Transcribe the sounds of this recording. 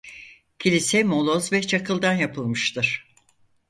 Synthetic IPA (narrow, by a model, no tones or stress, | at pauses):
cʰilʲisɛmo̞lˠozvɛt͡ʃʰakɯlˠd̪anjapʰɯlˠmɯʃt̪ʰɯɾ̥